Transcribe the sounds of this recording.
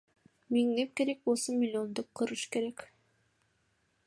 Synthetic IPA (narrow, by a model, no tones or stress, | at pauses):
miŋnep̚ke̞ɾe̞k̚bolˠsomʲɪlʲiond̪op̚qʰɯɾɯʃke̞ɾek